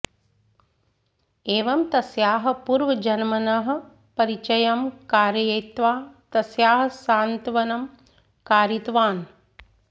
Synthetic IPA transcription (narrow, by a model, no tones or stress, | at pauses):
eːʋɐmt̪ɐsjaːɦɐ̆puɾʋɐd͡ʒɐnmɐnɐɦɐ̆ | pɐɾit͡ʃɐjɐmkaːɾjɐjɐjt̪ʋaːt̪ɐsjaːɦɐsaːnt̪ʋɐnɐm | kaːɾit̪ʋaːn